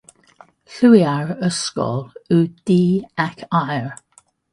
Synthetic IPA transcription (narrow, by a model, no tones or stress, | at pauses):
ɬujaɹəskɔ̰lud̪̥iːakʰajɹ